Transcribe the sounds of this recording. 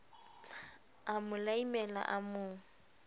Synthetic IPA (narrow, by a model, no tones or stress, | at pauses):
amʊlaimɛla̰ʔamʊːŋ̩